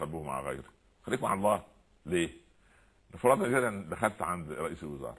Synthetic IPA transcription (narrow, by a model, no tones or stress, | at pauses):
ælbuːhma̰ʕ̰ɣæ̰jɾi | xælːiːkmaʕlˤːɑː | leː | nɑfɑɾˤɑt̪nɑɡed̪ːænd̪æxælt̪ʕand̪ɾˤɑʔḭːsælwɪzɑ̰ːɾˤɑ